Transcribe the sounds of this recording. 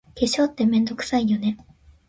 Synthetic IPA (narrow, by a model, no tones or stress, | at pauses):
keɕo̞ːt̪ːe̞mẽ̞nd̪o̞kɯ̟̥saijo̞ne̞